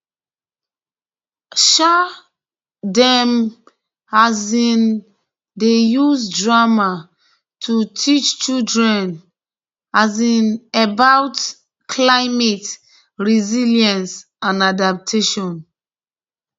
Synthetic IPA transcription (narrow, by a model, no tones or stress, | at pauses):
ʃa | dɛm | hazĩn | dejuzdɹama | tʰutʰit͡ʃt͡ʃudɹɛ̃n | azĩnebawt | kʰlaɪmet | ɹiziljãns | ãnadap̚tʰeʃɔ̃n